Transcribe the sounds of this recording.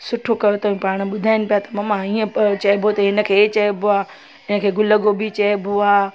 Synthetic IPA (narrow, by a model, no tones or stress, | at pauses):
sʊʈʰokɐjot̪ɐʋ̤ĩpaːɽ̃̆ɓʊd̪ʱaːɪnɪ̆pijat̪ɐmamãiːə̃t͡ɕɐibʱot̪ɐɦɪnə̆kʰeːt͡ɕɐeboaː | ɪnə̆kʰeːɡʊləɡobɪt͡ɕɐebʱoaː